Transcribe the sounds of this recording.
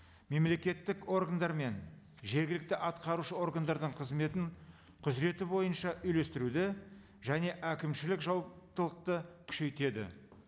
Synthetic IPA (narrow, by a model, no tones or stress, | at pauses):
me̞mle̞kʲe̞t̪ːɪko̞ɾɡand̪ɑɾme̞n | ʒe̞ɾɡʲɪlɪk̚t̪ɪʔɑt̪qɑɾuʃəo̞ɾɡand̪ɑɾd̪əɴqʰəzme̞t̪ɪɴ | qʰʊzɾe̞t̪ɪbo̞jənʃɑʔʏjle̞st̪ɪɾud̪ɪ | ʒæne̞ʔækʲɪmʃɪlɪkʒɑlˠp̚t̪əlˠəq̚t̪əkʲʰʏ̥ʃe̞jt̪e̞d̪ɪ̰